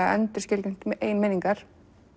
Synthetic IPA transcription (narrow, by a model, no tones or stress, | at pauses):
aɛ̰nt̪ɪɾ̥scɪlcɪn̥t̪mɛʔejnmeːniŋkaɾ̥